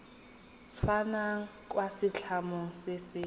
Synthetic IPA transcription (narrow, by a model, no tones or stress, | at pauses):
t͡sʰwanaŋ̩kʼwasɪɬʰamoŋ̩sɪsɪ